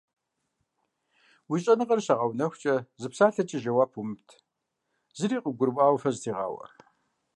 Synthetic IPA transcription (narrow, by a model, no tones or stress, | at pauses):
wiɕʼɐnɨqɐrɕaʁɐwnɐxʷt͡ʃʼɐzɨpsaːɬɐt͡ʃʼɪʒɐwaːpʰumtʰ | zɨɾiːqʼəɡʷʊɾwʼaːwfɐztʰiːʁɑ̰ːwɐ̰